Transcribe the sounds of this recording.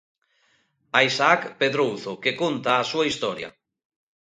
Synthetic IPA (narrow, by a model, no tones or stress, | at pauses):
aisaakpeðɾowθokekont̪aːsuaist̪ɔɾja̰